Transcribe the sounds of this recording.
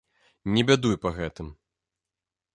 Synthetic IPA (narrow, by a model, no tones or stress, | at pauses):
nʲɛbʲad̪ujpɐɣɛt̪ɨm